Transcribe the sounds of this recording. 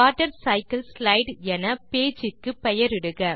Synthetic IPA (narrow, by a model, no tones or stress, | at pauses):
aːʈːɐɾsɐɪkɐlslɐɪɖɛnɐpeːd͡ʒɪkːɯpɛjɐɾɪɽɯɣɐ